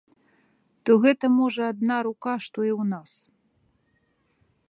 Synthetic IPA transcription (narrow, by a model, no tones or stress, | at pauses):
t̪ɔɣɛt̪ɐmɔʐɐad̪naɾukaʂt̪ɔiwnas